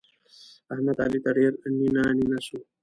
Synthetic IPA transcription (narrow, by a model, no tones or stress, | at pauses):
ɐɦmət̪alit̪əɽeɾninaninasu